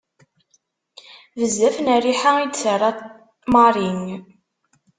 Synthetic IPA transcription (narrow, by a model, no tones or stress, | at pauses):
vəzːæfnæɾiħaid̪sərˤɑ | mɑɾˤiŋ